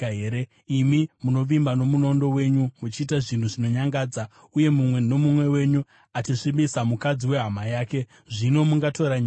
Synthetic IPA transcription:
eɾe | imimuno̞ʋimbano̞muno̞ndo̞we̞ɲumut͡ʃiːtaʐin̤uʐino̞ɲaŋɡaːd͡za | uje̞mumwe̞no̞mumwe̞we̞ɲu | at͡ʃiʂimbisamukad͡ziwe̞ɦamajaːke̞ | ʐino̞muŋɡatʰo̞ɾaɲa

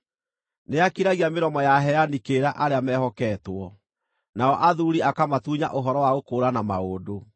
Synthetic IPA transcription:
neakiɾaɣiameɾɔmɔjaɦɛanikeɾaʔaɾeamɛhɔkɛtwɔ | naɔʔaðuɾiakamatuɲa̰ʔoɦɔɾɔwaɣokoːɾanamaoːdo

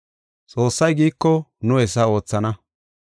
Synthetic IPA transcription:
t͡sʼo̞ːsːɐjɡiːkːɔnʊɛs̬ːɐo̞ːt͡sːɐnɐ

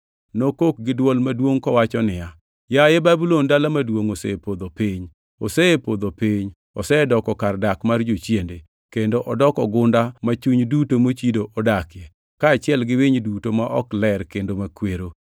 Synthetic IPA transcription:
nokok̚ɡɪdwɔlmadwoŋkɔwat͡ʃɔnɪja | jajebabulondalamadwoŋosepod̪opiɲ | osɛepod̪opiɲ | ɔ̰sɛdɔkɔkardakmard͡ʒot͡ʃjende | kendoʔɔdɔkɔɡʊndamat͡ʃuɲdutomot͡ʃidoʔɔdakɪjɛ | kaːt͡ʃɪɛlɡɪwɪɲdutomaʔɔklɛrkendomakweɾo

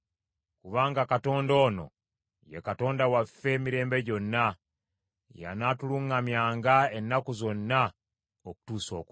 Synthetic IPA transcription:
kuβaːŋɡakato̞ːndo̞ːno̰ | jḛkato̞ːndawafːe̞miɾe̞ːmbe̞ɟo̞nːa | ja̰natuluŋːamjaːŋɡae̞nːakuzo̞nːa | oku̥tuːso̞ːk

